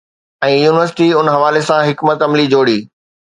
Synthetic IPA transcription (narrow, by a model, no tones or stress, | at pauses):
ɛ̃ːjuːnɪʋəɾsɪ̥ʈiʊnɦɐʋaːlesãɦɪkmət̪ɐmlid͡ʑoːɽiː